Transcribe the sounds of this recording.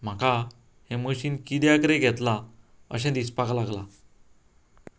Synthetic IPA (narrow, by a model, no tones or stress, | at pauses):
m̤akʰa | heməɕiːnkid̪jakɾeɡʱɛt̪la | ə̰ɕɛ̃d̪ispaklaɡla